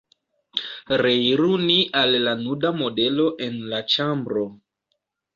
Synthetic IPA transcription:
ɾejɾuniʔalːanudamo̞de̞lo̞ʔe̞nlat͡ʃambɾo

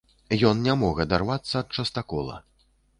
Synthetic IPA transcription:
jɔnnʲamɔɣɐd̪arvat̪sːɐːt̪̚t͡ʂɐst̪akɔlˠɐ̰

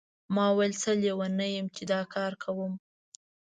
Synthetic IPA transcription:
mɑwajlt͡səlewanəjəmt͡ʃed̪ɑkʰɑɾkʰawəm

